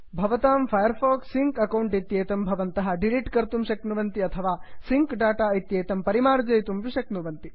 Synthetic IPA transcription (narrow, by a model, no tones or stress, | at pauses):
bʱɐʋɐt̪aːmpʰɐjɐɾfoːksiŋkɐkɐwɳʈit̪jeːt̪ɐmbʱɐʋɐnt̪ɐɦɐ̆ɖiliʈkɐɾt̪umʃɐknuʋɐnt̪iɐt̪ʰɐʋaːsiŋkɖaːʈaːit̪jeːt̪ɐmpɐɾimaːɾd͡ʒɐjt̪umʋiʂɐknuʋɐnt̪i